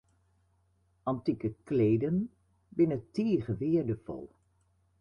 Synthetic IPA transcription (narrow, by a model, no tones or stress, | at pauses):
ɑntikəklejdən | bɪnəteːχəʋɪːɹdəv̥ɔ̰lˠ